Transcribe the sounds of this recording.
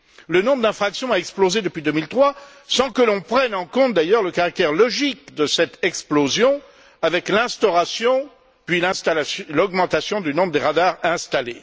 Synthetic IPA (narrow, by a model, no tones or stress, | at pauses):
lənɔ̃bʁəd̪ɛ̃fχaksjɔ̃aɛksplozed̪əpɥid̪ømilt̪χwa | sɑ̃kəlɔ̃pχɛnɑ̃kɔ̃t̪̚d̪ajœʁləkaʁak̚t̪ɛʁlɔʒikd̪əsɛt̪ɛksplozjɔ̃ | avɛklɛ̃st̪ɔʁasjɔ̃ | pɥilɛ̃st̪alalɔɡmɑ̃t̪asjɔ̃d̪ynɔ̃bʁəd̪eʁad̪aʁɛ̃st̪ale